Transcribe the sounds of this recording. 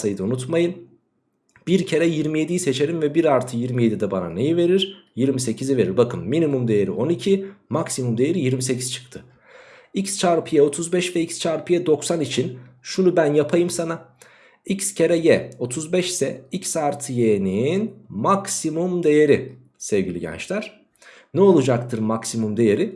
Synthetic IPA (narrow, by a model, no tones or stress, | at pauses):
ajd̪ɯunut̪majɯn | b̥iɾcʰe̞ɾɛjiɾmije̞d̪ijise̞t͡ʃʰe̞ɾimvɛbiɾaɾt̪ʰɯjiɾmije̞d̪id̪ɛba̰na̰ne̞jive̞ɾiɾjiɾmise̞cʰizive̞ɾiɾbakʰɯnːinimumd̪e̞jeɾḭʔo̞nicʰimaksimumd̪ejeɾijiɾmise̞cʰi̥z̥t͡ʃʰɯ̥kt̪ʰɯ | icst͡ʃʰaɾpʰɯjɛo̞t̪ʰuzbɛʃvɛicst͡ʃʰaɾpʰɯjɛd̪o̞ksanit͡ʃʰinʃunubænjapʰajɯmsana | icscʰe̞ɾɛjɛo̞t̪ʰuzbɛʃsɛicsaɾt̪ʰɯjeninmaksimumd̪e̞jeɾi | sɛvɟilʲḭɟɛ̰nt͡ʃlʲæɾ̥ | nɛo̞lˠud͡ʒakt̪ʰɯɾmaksimumd̪e̞jeɾi